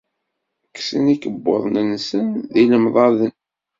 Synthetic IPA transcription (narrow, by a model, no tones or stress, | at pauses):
ksənikəbːo̰ðˤnənsənðiləmðˤɑðən